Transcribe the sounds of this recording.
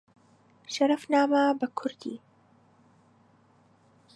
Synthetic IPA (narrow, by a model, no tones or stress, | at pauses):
ʃɐɾɐfnaːmabɐkʰʊɾd̪ḭː